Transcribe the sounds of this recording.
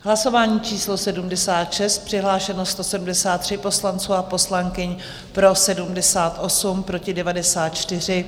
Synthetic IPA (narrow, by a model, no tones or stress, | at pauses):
ɦlaso̞vaːɲiːt͡ʃiːslo̞sɛdumdɛsaːt̪ʃɛst̪̚pr̝̥ɪɦlaːʃɛnost̪o̞sɛdumdɛsaːt̪ːr̝̥ɪpo̞slant͡suːapo̞slaŋkɪɲ | pɾo̞sɛdumdɛsaːt̪ʔo̞sumpɾo̞cɪdɛvadɛsaːt̪̚t͡ʃt̪ɪr̝ɪ